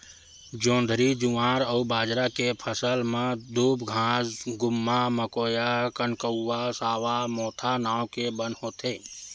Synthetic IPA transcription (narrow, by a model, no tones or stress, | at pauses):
d͡ʒõːnd̪ʱɾid͡ʒuãːɾəːbaːd͡ʒɾakepʰəsəlmẽd̪uːbɡʱãːsɡʊmːaməkoːjakənkəʊːasaːʋamɔːt̪ʰanaːwkebənɦoːt̪ʰeː